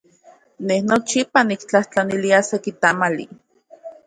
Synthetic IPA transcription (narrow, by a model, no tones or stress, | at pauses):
nehnot͡ʃipanikt͡ɬaht͡ɬaniliasekit̪amalḭ